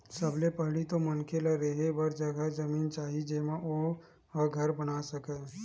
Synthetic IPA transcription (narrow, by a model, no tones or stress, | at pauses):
səblepəɦɽit̪omənkʰelaɾeɦebəɾd͡ʒəɡʱad͡ʒəmiːnt͡ʃaːɦid͡ʒemaʔo | əɡʱəɾbənasəkɛ